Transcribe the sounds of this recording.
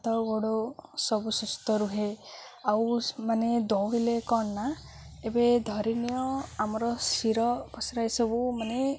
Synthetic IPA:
t̪ɔɡoɽosɔbusust̪ɔɾuɦe | awmaned̪ɔwelekɔɳna | ebed̪ʱɔɾinijɔamɔɾɔsiɾɔbɔsiɾajsɔbumane

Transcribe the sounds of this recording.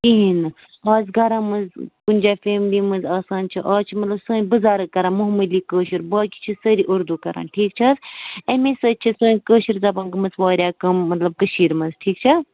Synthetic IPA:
t̪iɦinɨ | ɐːzɡʱɐɾãːmɐnzkunʲd͡ʒaːfeːmliːmɐnzaːsaːnt͡ʃʰiʔaːt͡ʃʰimɐt̪lɐbsəːnʲbɨzaːɾɐkːɐɾãːmuɦməliːkəːʃiɾbaːkit͡ʃʰisəɾiʔoɾd̪ukɐɾa̰ːnʈʰiːk̚t͡ʃʰɐːzemẽsɐt͡ʃʰisə̃ːnʲkəːʃiɾzɐbãːnɡɐmɐzʋaːɾʲjaːkɐmːɐt̪lɐb̚kəʃiːɾmɐnzʈʰiːkt͡ʃʰɐ

